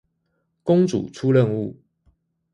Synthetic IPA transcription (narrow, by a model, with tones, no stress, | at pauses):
kʊ˦ŋt͡sṵ˨˩ʈ͡ʂʰu˦lə˥˨nu˥˨